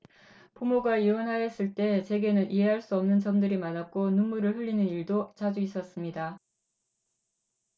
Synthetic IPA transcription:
pumoɡaiwʌnɦaes͈ɯɭt͈e̞t͡ɕe̞ɡe̞nɯnʔiɦe̞ɦaɭs͈uʌmnɯnt͡ɕʌmdɯɾimanak̚k͈onunːuɾɯɭɸɯʎːinɯniɭdot͡ɕad͡ʑuis͈ʌs͈ɯmɲida

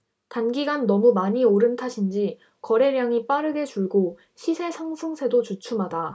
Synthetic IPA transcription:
tanɡiɡanːʌmumaɲioɾɯntʰaɕʰind͡ʑi | kʌɾe̞ɾjaŋip͈aɾɯɡe̞t͡ɕuɭɡo | ɕʰisʰe̞sʰaŋsʰɯŋsʰe̞dot͡ɕut͡ɕʰumɦada

